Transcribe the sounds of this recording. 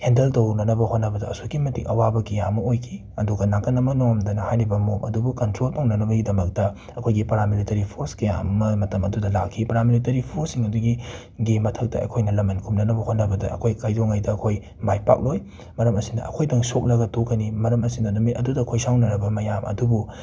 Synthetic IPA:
hendeltownɐnɐbɐhot̚nɐbɐdɐɐ̰sukimɐtḭŋɐwabɐkijamɐojkʰi | ɐduɡɐnakɐnɐmɐnoŋɐmdɐnɐhajɾibɐmomɐ̰dubukɐntɾolpaŋnɐnɐbɐɡidɐmɐk̚tɐ | ɐkʰojɡipɐɾamilitɐɾipʰoɾskija̰mmɐmɐtɐmɐdudɐla̰kʰːipɐɾamilitɐɾipʰoɾsiŋɐduɡi | ɡimɐtʰɐk̚tɐ̰ʔɐ̰kʰojnɐlɐmɐnkʰumnɐnɐbɐhotnɐbɐdɐɐ̰kʰojkajdoŋɐjdɐːkʰoj | majpa̰k̚loj | mɐɾɐmɐsinɐ̰ʔɐ̰kʰojtɐŋsok̚lɐɡɐtokːɐnimɐɾɐmɐsidɐnumit̚ɐdudɐːkʰojsawnɐnɐbɐmɐjamʔɐ̰dubu

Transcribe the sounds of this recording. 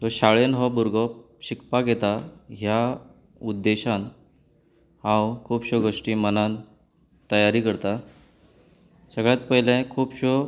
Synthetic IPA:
t̪əɾɕaɭenɦɔbuɾɡɔ | ɕikpaɡet̪aɦja | ud̪ːeɕan | hãwkʰuːpɕoɡʱoʂʈiːmənan | t̪əjaɾiːkəɾt̪a | səɡɭjat̪̚pəɦjlẽkʰuːpɕo

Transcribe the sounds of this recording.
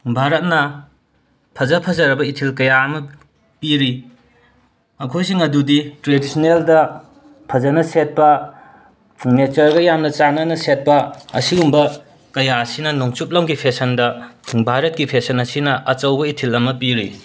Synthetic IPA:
bʱaɾɐt̚nɐ | pʰɐzɐpʰɐzɐɾɐbɐitʰilkɐjaɐmɐ | piɾi | ɐkʰojs̬iŋɐduditɾedisɐneldɐ | pʰɐzɐnɐset̚pɐ | net͡ʃɐɾɡɐjamnɐt͡ʃanɐnɐset̚pɐɐ̰siɡumbɐ | kɐjaɐsinɐnoŋt͡ʃup̚lɐŋɡipʰesɐndɐbʱaɾɐt̚kipʰesɐnɐsinɐʔɐt͡ʃɐwbɐitʰilɐmɐpiɾḭ

